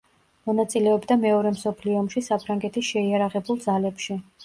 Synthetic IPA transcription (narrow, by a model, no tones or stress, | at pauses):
mɔnat̪sʼilɛɔbd̪amɛɔɾɛmsɔpʰliɔːmʃisapʰɾaŋɡɛt̪ʰisʃɛiaɾaʁɛbulˠd̪zalɛpʃi